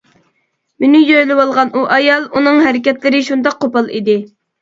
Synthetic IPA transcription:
mɪnɪjøɾlɪwɑlˠʁɑnʔuʔɑjɑlˠunɨŋɦæɾɪkʲɛt̪lɪɾɪʃund̪ɑq̚qʰːopɑlˠḭd̪ɪ

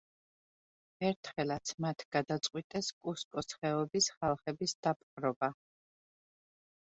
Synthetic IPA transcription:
ɛɾt̪ʰχɛlat̪sʰmat̪ʰɡ̥ad̪at̪sʼqʼwit̪ʼɛskʼuskʼɔsχɛɔbisχalˠχɛbisd̪̥ap̚ʰχʼɾɔba

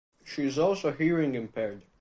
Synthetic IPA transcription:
ʃiɨzɔlˠsoʊhiɹɪ̃ŋɨ̃mpʰɛɹd

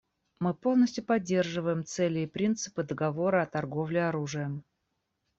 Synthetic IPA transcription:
mɨpo̞lˠnəsʲtʲjʊpɐdʲːe̞rʐɨvəjɪmt̪sɛlʲɪːpɾʲint̪sɨ̥pɨd̪əɡɐvo̞ɾəɐt̪ɐrɡo̞vlʲɪɐɾuʐɨjəm

